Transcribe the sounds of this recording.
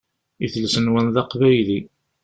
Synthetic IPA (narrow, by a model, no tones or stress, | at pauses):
iθlsənwənðɑqvæjli